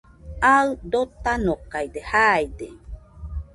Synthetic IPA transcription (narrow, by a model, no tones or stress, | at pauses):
aɨd̪ot̪anokajd̪ehajd̪e